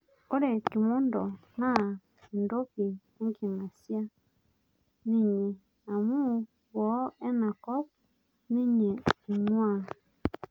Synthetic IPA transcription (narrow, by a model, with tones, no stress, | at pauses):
o˦ɾe˨ki˨mɔ˦ndɔ˨na˦˨ | ndo˦ki˨ | e˦ŋki˨ŋa˨sja˦ | ni˦˨ɲe˨ | a˨mu˦˨ | wɔ˨˦ɛ˦na˨kɔ˦p | ni˦ɲe˨i˨nwa˦˨